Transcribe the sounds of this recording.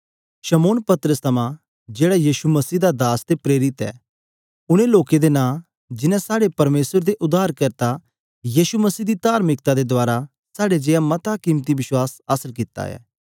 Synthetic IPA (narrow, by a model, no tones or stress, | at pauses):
ʃɐmoːnpɐt̪əɾəst̪ʰɐmã | d͡ʒeːɽajiːʃumɐsiːd̪ad̪aːsd̪epɾeːɾɪt̪ɛ̰ː | ʊɽ̃eloːked̪enãː | d͡ʒɪnɛ̃saːɽepɐɾmeːsəɾd̪eʔʊd̪aːɾkɐɾt̪a | jiːʃumɐsiːd̪it̪aːɾmɪk̚t̪ad̪ed̪ʊaːɾa | saːɽed͡ʒeːamɐt̪akiːmt̪iʋɪʃwaːsaːsəɾkɪt̪a̰ɛ̰ː